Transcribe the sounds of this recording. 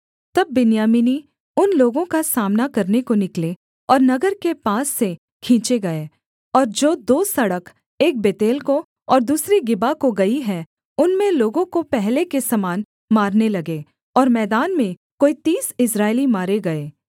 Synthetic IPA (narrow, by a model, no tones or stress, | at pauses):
t̪ɐbːɪnjaːmini | ʊnloːɡõkasaːmnakɐɾnekonɪkle | ɔːɾnɐɡəɾkepaːsːe | kʰĩːt͡ʃeɡɐeː | ɔːɾd͡ʒoːd̪oːsɐɽək | eːk̚beːt̪eːlko | ɔːɾd̪uːsɾeɡɪbakoɡɐiɦɛ | ʊnmẽloːɡõkopɛɦlekesɐmaːn | maːɾnelɐɡeː | ɔːɾmɛːd̪aːnmẽ | koːit̪iːsɪsɾaːɪlimaːɾeɡɐeː